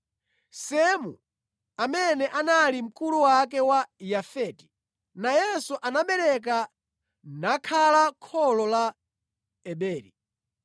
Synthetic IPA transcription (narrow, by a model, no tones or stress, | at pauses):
sɛmṵ | amɛnɛʔanalim̩kuluwak̬ɛwajafɛːti̥ | najɛsuʔanaɓɛɾɛk̬a | nakʰalakʰɔlɔla | ɛɓɛːɾḭ